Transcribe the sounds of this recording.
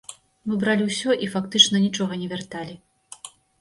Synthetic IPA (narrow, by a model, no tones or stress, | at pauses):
mɨbɾalʲiwsʲɔʔifakt̪ɨt͡ʂnɐnʲit͡ʂɔɣɐnʲɛvʲɛrt̪alʲi